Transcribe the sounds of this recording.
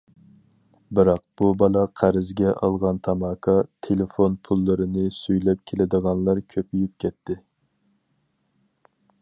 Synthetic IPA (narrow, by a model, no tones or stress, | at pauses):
bɨɾɑq̚b̥ubɑlˠɑqʰæɾɪzɡʲɛʔɑ̰lˠʁɑnt̪ʰɑmɑːkʰɑt̪ʰelefonpʰulˠːɨɾɨnɨsyjlɛp̚kʲʰelɪd̪əʁɑnlˠɑɾkʲʰøpʰyjyp̚kʲʰɛt̪ʰːɪ